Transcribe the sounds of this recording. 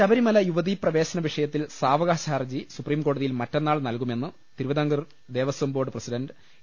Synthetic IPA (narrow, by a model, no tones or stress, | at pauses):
t͡ɕɐbɐɾimɐlɐjuʋɐðiprɐʋe̞ːɕɐnɐʋiʂɐjɐt̪ːilsaːʋɐɣaːɕaːrd͡ʑisupriːmko̞ːɽuðijilmɐtːenːaːɭnɐlkume̞nːɨ | t̪iɾuʋɐd̪aŋɡɐr | d̪e̞ːʋɐsʋɐmbo̞ːɖɨprɐsiɖɐndɨ